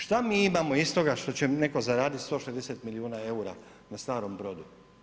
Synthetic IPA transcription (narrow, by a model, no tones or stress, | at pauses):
ʃt̪amiːimamo̞ist̪o̞ɡaʃt̪o̞t͡ɕene̞ko̞zaɾaːd̪it̪st̪o̞ʃezd̪e̞set̪miliuːnae̞uɾa | nast̪aːɾo̞mbɾo̞ːd̪u